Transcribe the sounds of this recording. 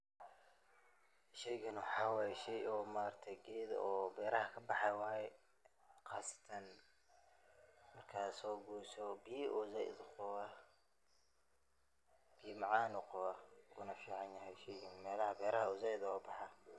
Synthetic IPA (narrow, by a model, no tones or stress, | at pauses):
ʃɛjɡɐnwɑħɑːwaːjɛʃɛjʔɔmaːɾt̪ʰɛɡɛːd̪ɔːbɛːɾɐhɐkʰɐbɑħɛwaːjɛ | qʰɑːsɐ̥t̪ʰɐn | mɐrkʰaːsɔːɡuːsɔbiʔʊzɐʔɪ̰d̪qʊwɐ | b̥imɑʕɑːnʊqʊwɐʊnɐfiːʕɑnjɐɦɛjʃɛjɡɐnmɛːlɐhɐbɛːɾɐhɐʊzaɪðɔːbɑħɑ